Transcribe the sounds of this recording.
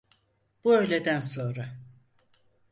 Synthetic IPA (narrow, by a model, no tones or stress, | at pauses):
b̥uø̞jlʲe̞d̪ænso̞nɾa